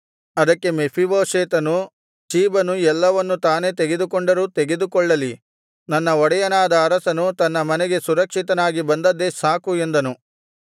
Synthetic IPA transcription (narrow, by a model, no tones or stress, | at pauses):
ɐd̪ɐkːe̞mepʰiboːʂeːt̪ɐnu | t͡ʃiːbɐnuɛlːɐʋɐnːut̪aːne̞t̪eɡe̞d̪ukɔɳɖɐɾuːt̪eɡe̞d̪ukɔɭːɐli | nɐnːɐɔɽɐjɐnaːd̪ɐːɾɐsɐnut̪ɐnːɐmɐneɡe̞suɾɐkʂit̪ɐnaːɡibɐnd̪ɐd̪ːe̞saːkuend̪ɐnu